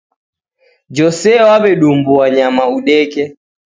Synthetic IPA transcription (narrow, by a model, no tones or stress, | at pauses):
d͡ʒɔsɛwaβɛɗumbuaɲamauɗɛkɛ